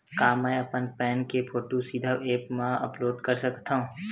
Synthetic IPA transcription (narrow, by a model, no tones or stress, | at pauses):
kaːmɛ̃ɐpənpɛːnkepʰoːʈusiːd̪ʱəeːpmãɐ̰ploːɖkɐɾsɐkt̪ãɦũː